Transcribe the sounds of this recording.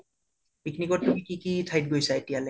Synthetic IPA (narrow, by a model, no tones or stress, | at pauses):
piknikɔʈːokikikitʰajt̚ɡojsaetijale